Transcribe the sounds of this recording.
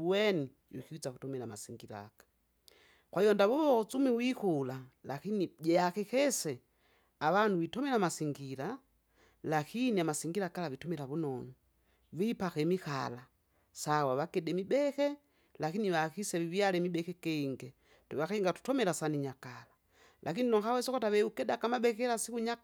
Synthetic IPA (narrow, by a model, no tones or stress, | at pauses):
wɛni | wḭkiit͡sakutɔmɛlama̰siŋɡiɾa̰kḁ | kwaijɔndaβɔβɔt͡sumiwikulalakiniɟɛakɛkɛsɛ | awanuwitɔmɛlamasiŋɡila | lakiniamasiŋɡiɾakalavitɔmɛlaβunɔnu | βipakɛmixala | sawaβakɛdɛmibɛkɛ | lakiniβakisɛβivialɛmibɛkɛkɛiŋɡɛ | tuβakɛiŋɡatu̥tɔmɛlasaniɲakala | lʔakininɔŋkawɛsɔkɔtaβɛukɛdakamabɛkɛlasikuɲa